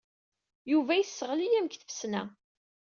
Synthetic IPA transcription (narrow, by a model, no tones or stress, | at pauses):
juvæjθsːəʁəlijæmkθəfə̥snæ̰